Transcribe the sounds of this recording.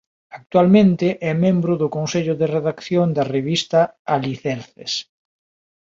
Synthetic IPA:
ak̚t̪ualmẽnt̪ɪʔɛmẽmbɾʊðʊkonseʎʊðereðakθjoŋd̪ɐreβist̪ɐaliθɛɾθḛs

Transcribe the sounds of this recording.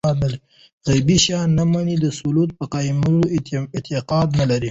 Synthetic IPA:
ɑd̪nal | ɣajbiʃjɑnːamanid̪əsulut̪̚pəqɑmɾoɪt̪ɪqɑd̪nalaɾi

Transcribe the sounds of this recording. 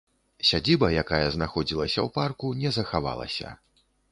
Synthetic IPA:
sʲad͡zʲibɐjakajɐznaxɔd͡zʲilˠɐsʲɐwparkunʲɛzɐxava̰lˠɐ̰sʲɐ̰

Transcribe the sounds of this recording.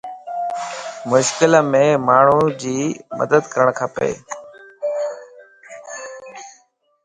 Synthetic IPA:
mʊʃkɪləmẽːmaːɳ̤ud͡ʑiːmə̰d̪əd̪kəɾəɳ̃kʰaːpḛː

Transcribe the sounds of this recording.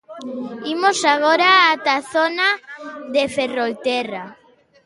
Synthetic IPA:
imosaɣoɾaat̪aθonaðeferolt̪ɛra

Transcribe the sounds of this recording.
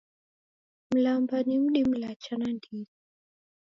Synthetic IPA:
m̩lambanim̩ɗim̩lat͡ʃanandizi

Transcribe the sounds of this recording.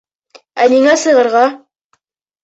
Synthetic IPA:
æniŋæsɤ̆jʁɤ̆ɾʁɑ

